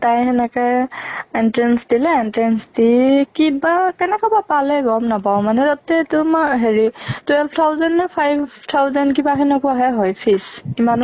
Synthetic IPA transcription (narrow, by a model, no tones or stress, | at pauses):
tajɦɛnɛka | ɛntɹɛnsdilɛɛntɹɛnsdikibakɛnɛkɔbapalɛɡɔmnapaʊ̃manɛtatɛtʊmaɹɦeɹitwɛlpʰtʰawzɛnɛpʰajbtʰawzɛnkibakʰɛnɛkɔaɦɛɦɔjpʰisiman